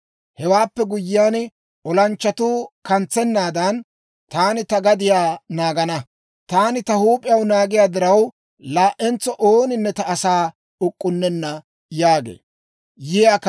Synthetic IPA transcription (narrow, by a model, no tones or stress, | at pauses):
hɛwaːpːɛɡʊjːɪjaːn | ɔlɐnt͡ʃːɐt̪uːkɐnt͡sːɛnːaːd̪ɐn | t̪aːnɪt̪ɐɡɐd̪ɪjaːnaːɡɐnɐ | t̪aːnɪt̪ɐhuːpʼɪjɐwnaːɡɪjaːd̪ɪɾɐw | laːʔɛnt͡sɔʔoːnɪnːɛt̪ɐʔːsaː | ʊkʼːʊnːɛnːɐ | jaːɡḛː | jɪjak